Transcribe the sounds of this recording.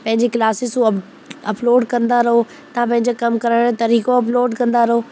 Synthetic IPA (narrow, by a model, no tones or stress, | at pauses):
pɐ̃ɦɪ̃ɲd͡ʑekɪlaːsɪsuɐ | ɐploːɖkɐ̃nd̪aɾɐɦo | t̪ɐãpɐ̃ɦɪ̃ɲd͡ʑakɐmkɐɾəɽ̃et̪ɐɾiːkoɐp̬loːɖkɐ̃nd̪aɾɐɦoː